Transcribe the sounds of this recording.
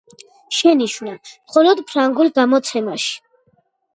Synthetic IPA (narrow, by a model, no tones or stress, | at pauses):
ʃɛniʃvnamχɔlɔd̪pʰɾaŋɡulˠɡamɔt̪sʰɛmaʃi̥